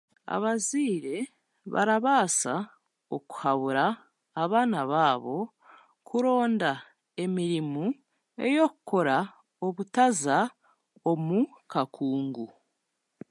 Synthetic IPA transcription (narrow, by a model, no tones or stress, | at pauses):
a̰βaziːɾe̞ | βa̰ɾaβaːsa | oku̥haβuɾaː | βaːnaβaːβo̞ | kʰuɾo̞ːnda | e̞miɾimu | e̞̰jo̞kuko̞ɾa | o̞βutaza | o̞mukʰakʰuːŋɡu